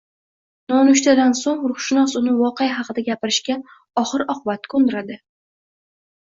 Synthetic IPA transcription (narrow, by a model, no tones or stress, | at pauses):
nɒnʊʃt̪ʰad̪ansoŋɾʊχʃɪnɒsʊnɪvɒqejɦɑqɨd̪aɡʲapɪɾɪʃkʲa | ɒχɨɾɒqʰʊbat̪̚kʲʰond̪ɪɾad̪ɪ